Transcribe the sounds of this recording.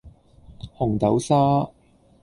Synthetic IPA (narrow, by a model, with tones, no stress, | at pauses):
hʊ˨˩ŋt̪ɐ˨˥wsaː˥